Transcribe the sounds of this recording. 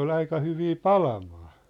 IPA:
ol ɑikɑ hyʋiː pɑlɑmɑː

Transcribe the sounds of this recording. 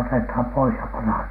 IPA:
otethɑm pois jɑ pɑnhɑn

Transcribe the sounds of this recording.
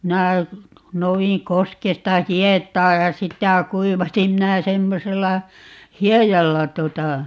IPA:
minæ nouwiŋ koskestɑ hietˑɑː jɑ sitæ kuiʋɑsim minæ semːoselːɑ hiejɑlːɑ tuotɑ

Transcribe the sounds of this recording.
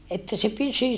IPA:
etːæ se pysy

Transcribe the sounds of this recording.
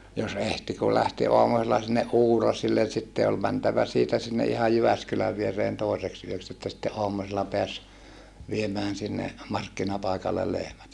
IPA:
jos ehti kul læhti oɑmuselːɑ sinːeʔ ʔuːrɑsilːen̞ sitːe ol mæntæʋæ siːtæ sinːe ʔihɑj jyʋæskylæʋ ʋiereːn toˑi̯seks yøks etːæ sitːe ʔoɑmˑuselːɑ peæs ʋiemæːn sinːe mɑrkːinɑpɑˑikɑlːel lehmæt

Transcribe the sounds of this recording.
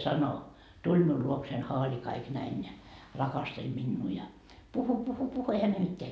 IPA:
sɑno tulʲ miul luoksein hɑːli kɑik næin jɑ rɑkɑstelʲ minːuː jɑ puhu puhu puhu ehæ ne mitːeæ

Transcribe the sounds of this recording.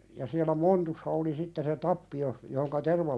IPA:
jɑ siælˑæ montusːɑ oli sitːe se tɑpːi jos johoŋkɑ terʋɑ

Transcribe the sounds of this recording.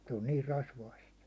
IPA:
se on niːr rɑsʋɑist

